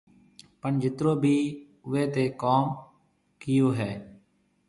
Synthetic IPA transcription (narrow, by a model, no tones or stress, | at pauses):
pəɳd͡ʒɪt̪ɾoːbʱiː | ʊʋeːt̪eːkaːm | kɪjoːɦɛː